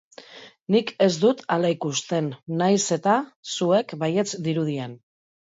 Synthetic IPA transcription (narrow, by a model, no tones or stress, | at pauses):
nike̞zd̪ut̪alaikust̪e̞nːajse̞t̪asue̞kbaje̞t͡sd̪iɾuð̞ien